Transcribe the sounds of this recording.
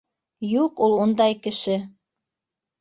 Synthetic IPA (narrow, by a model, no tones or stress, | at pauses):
juqulˠund̪ɑjkɘ̆ʃɘ